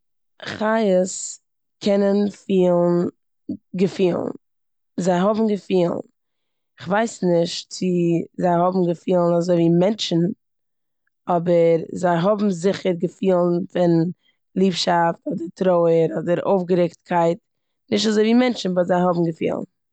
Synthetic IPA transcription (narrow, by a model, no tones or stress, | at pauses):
χajəs | kʰɛnənfiːlˠn̩ | ɡəfiːlˠn̩ | zaɪɦɔbm̩ɡəfiːlˠn | ɪχvaɪsnɪʃtt͡sɪzaɪhɔbm̩ɡəfiːlˠn̩azoɪviːmɛnt͡ʃn̩ | ɔbəɾzaɪɦɔbm̩zɪχəɾɡəfiːlˠn̩fɪn | lˠiːpʃaftɔdəɾtɾoʊəɾɔdəɾo̰ʊfɡəɾɪkt̚kʰaɪt | nɪʃtazoɪviːmɛnt͡ʃn̩bɔzaɪɦɔbm̩ɡəfḭːlˠn̩